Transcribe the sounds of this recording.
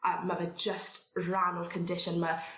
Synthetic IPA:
ʔəməvəd͡ʒəstɹanəlˠd̚kʰə̃ndɪʃə̃nmə

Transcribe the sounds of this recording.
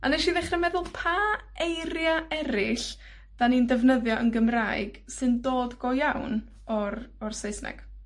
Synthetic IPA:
anɛʃiðɛχrɛmɛðʊlˠpʰaejɾjaɛɾɪɬ | d̥anindəvnəðjɔʔənɡəmrajɡ̥ | sɨndoːdɡɔjawn | ɔrɔrsejsnɛ̰ɡ̥

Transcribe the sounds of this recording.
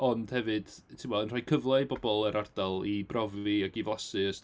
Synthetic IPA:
ɔnd̥hɛvɨd̥tʰɪmwɔənrajkʰəvlˠabɔbɔlˠɛɾʔard̥alˠibrɔviaɡivlˠasɨəs

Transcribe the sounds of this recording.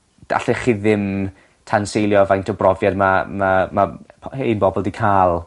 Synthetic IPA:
d̥a̰ɬɛχiðɪm | tʰansejlˠjɔvajntʰɔbrɔvjadmamamaheːnbɔbɔlˠdikʰaːlˠ

